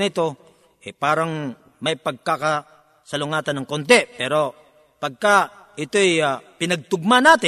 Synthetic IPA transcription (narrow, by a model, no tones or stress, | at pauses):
nɪt̪o̞ | ʔɛpaːɾɐŋ | mɐjpɐɡ̚kakɐ | sɐlʊŋaːt̪ɐnɐŋkont̪̬ɛpɛːɾo̞ | pɐɡ̚kaʔɪt̪oɛjapɪnɐɡ̚t̪ʊɡ̚manaːt̪ɪ